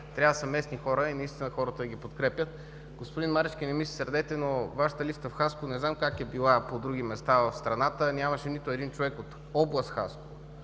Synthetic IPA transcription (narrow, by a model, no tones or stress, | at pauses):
t̪ɾʲjavəsɐmɛsnixɔɾəinɐist̪inəxɔɾət̪əɡʲipot̪kɾɛpjət̪̚ | ɡospod̪inmaɾɛt͡ʃk̟inɛmisi̥sɛɾd̪ɛt̪ɛnovaʃə̥t̪əlist̪əfxaskʊnɛznamkakɛbilˠapod̪ɾuɡ̟imɛst̪avɐfst̪ɾɐnat̪ənʲamɐʃɛnit̪ʊɛd̪int͡ʃovɛkot̪ | ɔblˠəst̪xa̰sko̥